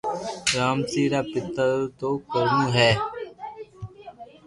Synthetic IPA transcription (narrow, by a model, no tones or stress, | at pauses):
ɾaːmsiːɾaːpɪt̪əɾt̪oːkəɾnũːɦɛː